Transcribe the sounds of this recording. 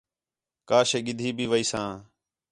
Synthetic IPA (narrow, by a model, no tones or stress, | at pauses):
kaːʃeːɠɪd̪ʱiːbʱiːʋəiːsãː